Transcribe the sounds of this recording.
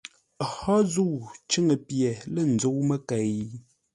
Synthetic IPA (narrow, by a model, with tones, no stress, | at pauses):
hɔ˦zu˦˨t͡ʃə˦ŋə˨pjɛ˨lə˦˨n̩˨d͡zo˦wmə˦kɛ˨j